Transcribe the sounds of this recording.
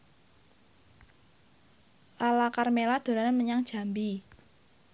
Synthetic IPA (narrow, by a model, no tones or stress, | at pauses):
lalakarmelad̪̥o̤ɾanaməɲaŋd̥ʒ̥a̤mbi